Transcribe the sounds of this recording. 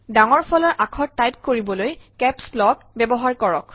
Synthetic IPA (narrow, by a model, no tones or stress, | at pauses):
daŋɔɹpʰɔlɔɹʔakʰɔtːajp̚koɹibɔlojkɛpslɔk | bɛbɔɦaɹkɔɹɔk